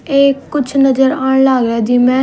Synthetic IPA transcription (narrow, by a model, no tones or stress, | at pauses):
eːkːʊt͡ʃʰnəd͡ʒəɾaːɳ̃laːɡɾɛːd͡ʒ̪iːmɛ̃ː